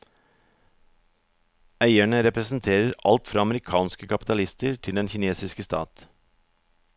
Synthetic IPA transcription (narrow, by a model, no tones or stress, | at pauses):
æɪæɳəɾɛpɾɛsn̩t̪ʰeːɾəɾɑlt̪fɾɑːɑməɾɪkʰɑːnskəkʰɑpɪ̥t̪ɑlɪst̪əɹʈʰɪld̪ɛnçɪneːsɪskəst̪ɑ̰ːt̪